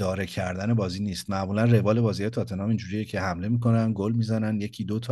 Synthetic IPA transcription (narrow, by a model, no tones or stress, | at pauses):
d̪ɒːɾecʰæɾd̪æne̞bɒːziːniːst̪mæʔmuːlænre̞vɒːle̞bɒːzijet̪ʰɒːt̪ʰe̞nɒːmind͡ʒuːɾijecʰe̞hæmle̞miko̞nænɡolmiːzænænje̞cʰiːd̪ot̪ʰː